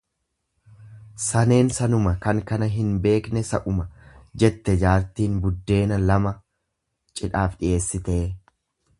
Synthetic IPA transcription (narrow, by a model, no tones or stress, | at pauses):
sɐne̞ːnsɐnʊmɐkɐŋkɐnɐɦɪnbe̞ːknɛsɐ̰ʔʊmɐd͡ʒɛt̪ːɛd͡ʒaːɾt̪iːnbʊd̪ːe̞ːnɐlɐmɐ | t͡ʃʼɪᶑaːfᶑɪjʔe̞ːsːɪt̪e̞ː